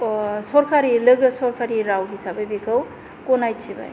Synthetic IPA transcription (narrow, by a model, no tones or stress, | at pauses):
sɔɾkʰaɾilɯɡɯsɔɾkʰaɾiɾawɡisabajbikʰaw | kɔnajt͡ʃiba̰j